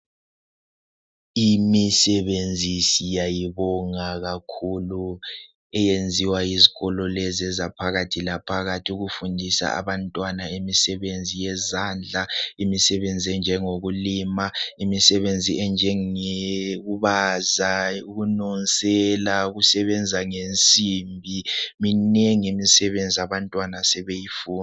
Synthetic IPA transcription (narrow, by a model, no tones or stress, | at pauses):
imisɛβend͡zʱisijajiβɔŋaɣakʰulu | ɛjend͡zʱiwajiziɣɔlɔlɛzɛzapʰaɣatʰilapʰaɣatʰiuɣufundʱisa̰a̰βantʼwanaemisɛβend͡zʱijɛzaːnd͡ɮʱaimisɛβend͡zʱiɛnd͡ʒʱɛŋoɣulimaimisɛβend͡zʱiɛnd͡ʒʱɛeɣuβazauɣunɔnsʼɛlaɣusɛβɛnd͡zʱaŋent͡sʼiːmbʱiminɛŋemisɛβend͡zʱiaβantʼwanasɛβejifuːn